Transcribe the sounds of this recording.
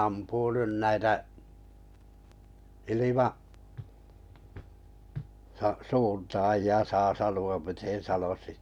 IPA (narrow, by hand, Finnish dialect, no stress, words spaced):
ɑmpuː nyn næitæ ilimɑ sɑ suːntɑːjiɑ sɑː sɑnuɑm miten̞ sɑnosi